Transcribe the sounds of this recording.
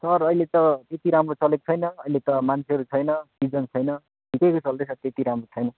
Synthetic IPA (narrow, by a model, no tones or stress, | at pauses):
sʌrʌjlet̪ʌt̪et̪iɾamrot͡sʌlekt͡sʰʌjnʌʌjlet̪ʌmant͡sʰeɦʌɾut͡sʰʌjnʌsid͡zʌnt͡sʰʌjnʌ | bʱikekot͡sʌld̪ʌjsʰʌrt̪et̪iɾamrot͡sʰʌjnʌ